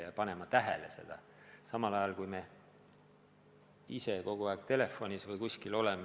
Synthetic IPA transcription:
jɑpɑne̞mɑt̪æɦḛlese̞̰d̪̥ɑ | sɑmɑlɑjɑlkujme̞ | ise̞ko̞ɡ̥uɑːkt̪e̞le̞fːo̞nʲisvɯjkusʲkilo̞le̞me

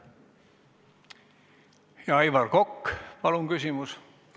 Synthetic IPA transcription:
jɑɑjvɑrko̞kːpɑlunkysʲimus

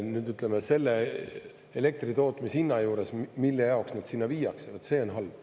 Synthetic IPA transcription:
nyːd̪yt̪lemese̞lːe | ele̞k̚t̪rit̪o̞ːt̪ːˑmisinːɑjuːɾe̞smilːe̞jɑoksnɑd̪sinːɑviːjɑksevɑt̪se̞ːo̞nɦɑlv

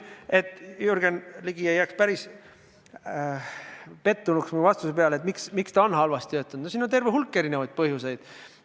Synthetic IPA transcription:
e̞t̪ːˑjuɾɡ̥enliɡ̥iejːækspæɾis | pe̞t̪ːunuksminuvɑst̪usepeɑlet̪miksmikst̪ɑonhɑlvɑst̪it̪øːt̪ːˑund̪nosiːnːont̪e̞rveɦulkːe̞ɾinevɑjd̪̥̚pɤhjuse̞jd̪̥

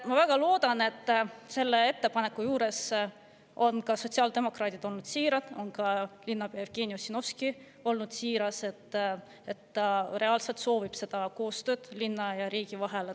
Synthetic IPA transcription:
mɑvæɡ̥ɑlo̞ːd̪̥ɑne̞t̪ːse̞lːe̞e̞t̪ːe̞pɑne̞kːujuːɾe̞s | o̞nkɑso̞t̪ʲsiɑld̪̥e̞mo̞krɑːt̪ʲid̪̥o̞lnud̪̥siːɾɑd̪̥o̞nkɑlinːɑpeɑefɡ̥e̞niosino̞fski | o̞lnud̪̥siːɾɑse̞t̪ː | et̪ːɑre̞ɑlselt̪so̞ːvib̥se̞d̪̥ɑko̞ːst̪ø̞ːd̪̥linːɑjɑɾiːɡ̥ivɑɦe̞le

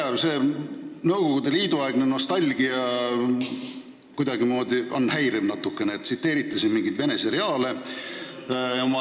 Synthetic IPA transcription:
ɑbse̞ːnɤwɡ̥o̞ɡ̥ud̪e̞liːd̪uɑeɡ̥neno̞st̪ɑlʲɡ̥iɑ | kujd̪ɑɡimo̞ːd̪ʲionːhæjɾemnɑt̪ːukːˑe̞neːt̪sit̪ːe̞ːɾit̪ˑːɑsinmiŋɡid̪̥ve̞ne̞seɾeɑːle̞ | omɑ

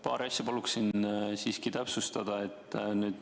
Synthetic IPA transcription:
pɑːɾeɑsʲjɑpɑluksinsiːskit̪æpsust̪ɑd̪̥ɑe̞t̪ˑːnyːd̪̥

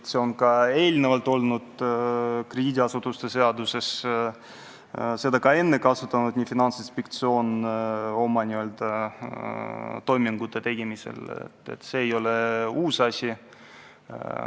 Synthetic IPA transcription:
t̪se̞o̞nkɑe̞ːlnevɑlt̪ːˑo̞lnud̪̥ | kred̪ʲiːd̪ʲiɑsut̪ːˑust̪e̞se̞ɑd̪use̞s | se̞d̪̥ɑkɑe̞nːe̞kɑsut̪ːˑɑnud̪nʲiːfinɑnsinspekt̪sio̞ːno̞mɑnʲiø̞ld̪̥ɑ | t̪o̞jmiŋɡ̥ut̪ˑːet̪e̞ɡ̥imise̞̰lḛt̪ːḛt̪ːse̞ːjo̞leuːsɑsʲi

